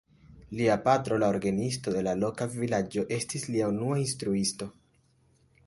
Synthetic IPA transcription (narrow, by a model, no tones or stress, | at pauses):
liapatɾo̞laoɾɡanisto̞de̞lalo̞kavilad͡ʒo̞ʔe̞stisliaunuainstɾuisto̞